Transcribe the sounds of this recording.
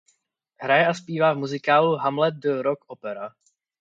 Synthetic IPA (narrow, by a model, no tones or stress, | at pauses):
ɦɾajɛʔaspiːvaːvmuzɪkaːluɦamlɛt̪̚dəɾokopɛɾa